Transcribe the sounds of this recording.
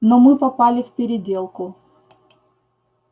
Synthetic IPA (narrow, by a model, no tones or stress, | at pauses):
nɔmɨpɐpalʲɪfpʲɪɾʲɪdʲe̞lˠkʊ